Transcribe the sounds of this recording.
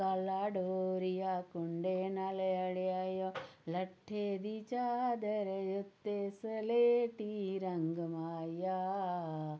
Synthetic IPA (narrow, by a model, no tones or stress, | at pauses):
kalaːɖoːɾijakʊɳɖenaleɐɽeajolɐʈʰːed̪it͡ʃaːd̪ɐɾjʊt̪ːesəleːʈiɾɐŋɡmaːja